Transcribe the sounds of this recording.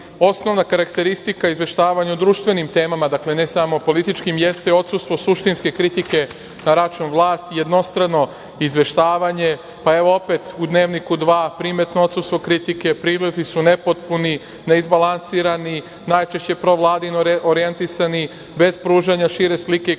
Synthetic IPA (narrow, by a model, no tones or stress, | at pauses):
o̞sno̞ʋnakaɾakt̪e̞ɾist̪ikaizʋe̞ʃt̪aːʋaɲaud̪ɾuːʃt̪ʋe̞nimt̪e̞ːmamad̪akle̞ne̞samo̞po̞lit̪it͡ʃkimje̞st̪eo̞t̪sust̪ʋo̞suʃt̪inske̞kɾit̪ike̞ | naɾat͡ʃunʋlˠaːst̪ije̞d̪no̞st̪ɾano̞ | izʋe̞ʃt̪aːʋaɲe̞ | pae̞ʋo̞o̞pe̞t̪ud̪ne̞ːʋnikud̪ʋaːpɾiːme̞t̪noo̞t̪sust̪ʋo̞kɾit̪ike̞pɾiːlezisune̞po̞t̪̚puni | ne̞izbalansiːɾani | naːjt͡ʃe̞ʃt͡ɕe̞pɾo̞ʋlˠaːd̪inooɾijent̪isani | be̞zpɾuːʒaɲaʃiːɾe̞slike̞